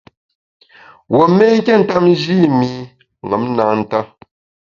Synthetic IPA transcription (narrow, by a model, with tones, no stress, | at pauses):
wɔ˨me˦ŋ̩˦kʲɛ˦˨n̩˨ta˦p̚n˦d͡ʒiː˦mi˨ | ŋa˨˦m˦naː˨n̩˦˨ta˦